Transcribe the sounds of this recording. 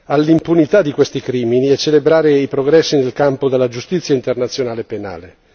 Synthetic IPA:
alːimpunit̪ad̪ːikwest̪ikɾiːminiɛt͡ʃːelebɾaːɾeipɾoɡɾɛsːinelkampod̪elːad͡ʒust̪it̪sːjaint̪ernat̪sːjonaːlepena̰ːle

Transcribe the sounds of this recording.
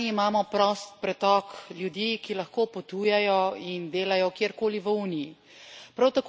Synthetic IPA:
imaːmɔpɾɔst̪̚pɾɛt̪ɔkljud̪jikilɐxkoːpɔt̪uːjɛjɔind̪eːlajɔkjeːɾkoːliʋəuːniji | pɾawt̪ak

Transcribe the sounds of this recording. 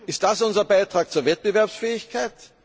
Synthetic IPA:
ɪstd̥asʊnzɐbaɪtʁ̥aːk̚t͡suːɐvɛt̚b̥ɪvɛɐpsfɛːɪçkʰaɪt

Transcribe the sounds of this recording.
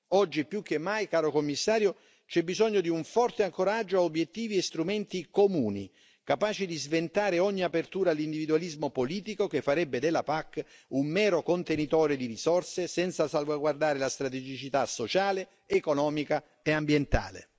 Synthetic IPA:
ɔd͡ʒːipːjukːemːajkaːɾokomːisːaːɾjo | t͡ʃɛbːizɔɲːod̪iuɱfɔrt̪eaŋkoɾad͡ʒːoaobjet̪ːiːviest̪ɾumɛnt̪ikomuːnḭ | kapaːt͡ʃid̪izvent̪aːɾeɔɲːiapert̪uːɾaːlːind̪ivid̪ualizmopoliːt̪ikok̟efːaɾɛbːed̪elːapakːumːɛːɾokont̪enit̪ɔːɾed̪iɾizɔrsesɛnt̪sasalvaɡward̪aːɾelast̪ɾat̪ed͡ʒit͡ʃit̪asːot͡ʃaːleː | konɔːmika | eambjent̪a̰ːlḛ

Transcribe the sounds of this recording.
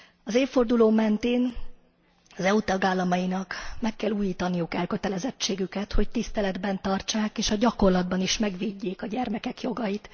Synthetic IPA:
ɒzeːfo̞rd̪uloːmɛnt̪eːn | ɒzɛut̪ɒɡaːlːɒmɒjinɒkmɛkːɛlːuːjiːt̪ɒnijukɛlkø̞t̪ɛlɛzɛt͡ʃːeːɡykɛt̪ho̞ct̪ist̪ɛlɛd̪bɛnt̪ɒrt͡ʃaːkeːʃɒɟɒko̞rlɒd̪̚bɒniʃmɛɡʋiɟːeːkɒɟɛrmɛkɛkjo̞ɡɒjit̪

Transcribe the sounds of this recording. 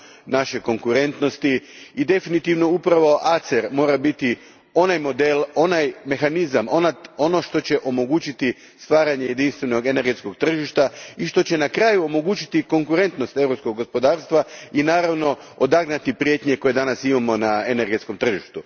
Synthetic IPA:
naʃe̞ko̞ŋkuɾe̞nt̪no̞st̪iid̪e̞finit̪iʋno̞upɾaʋo̞ʔat̪seɾmo̞ːɾabit̪i | o̞najmo̞d̪e̞lo̞najme̞xanizamonao̞no̞ʃt̪o̞t͡ɕe̞ʔo̞mo̞ɡuːt͡ɕit̪i | st̪ʋaːɾaɲe̞je̞d̪inst̪ʋenoɡe̞ne̞ɾɡet̪sko̞ɡt̪r̩ʒiʃt̪aiʃt̪o̞t͡ɕe̞nakɾaːjuo̞mo̞ɡuːt͡ɕi̥t̪iko̞ŋkuɾe̞nt̪no̞st̪e̞ʋɾopsko̞ɡːo̞spo̞d̪aːɾst̪ʋainaːɾaʋno̞od̪aɡnat̪ipɾije̞t̪ɲe̞ko̞je̞d̪anasimamo̞naene̞ɾɡesko̞mt̪r̩ʒiʃt̪u

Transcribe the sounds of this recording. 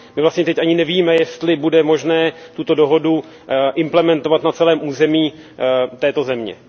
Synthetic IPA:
mɪvlast̪ɲɛt̪ɛcʔaɲɪnɛviːmɛjɛst̪lɪbudɛmo̞ʒnɛːt̪ut̪o̞do̞ɦo̞du | ʔɪmplɛmɛnt̪o̞vat̪nat͡sɛlɛːmʔuːzɛmiː | t̪ɛːt̪o̞zɛmɲɛ̰

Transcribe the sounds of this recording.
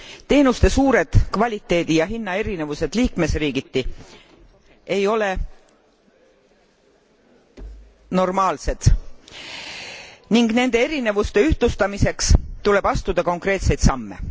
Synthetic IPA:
t̪e̞ːnust̪e̞suːɾe̞d̪̥kvɑlʲit̪ːˑe̞ːd̪̥ijɑɦinːɑe̞ɾine̞vuse̞d̪̥liːkme̞sriːɡ̥it̪ːi | e̞jo̞le̞ | no̞rmɑːlse̞d̪̥ | niŋɡne̞nd̪̥e̞e̞ɾine̞vust̪e̞yht̪lust̪ɑmise̞kst̪ule̞b̥ɑst̪ud̪ɑko̞ŋkrɾe̞ːt̪se̞jd̪sɑmːe̞̰

